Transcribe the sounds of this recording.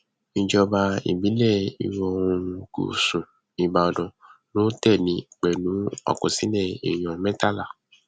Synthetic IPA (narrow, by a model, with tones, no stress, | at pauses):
nĩ˧d͡ʒɔ˧ba˧ḭ˨bi˨˦lɛ˦˨ḭ˧wɔ˧˦˧ũ˧ɡṵ˨sũ˨ | ĩ˨˧ba˧ɔ˧dɔ̃˨nõ˦tɛ˦˨nĩ˨˧˦k͡pɛ˨nũ˨˦ɔ̰˨kõ˨sĩ˨˦nɛ̃˦˨ḭ˨j̃ɔ̃˨mɛ̃˦ta˦˨la˦˨